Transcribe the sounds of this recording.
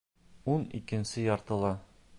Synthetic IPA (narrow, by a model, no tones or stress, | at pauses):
unḭkɘ̆nsɘjɒɾt̪ɤ̆lˠɑ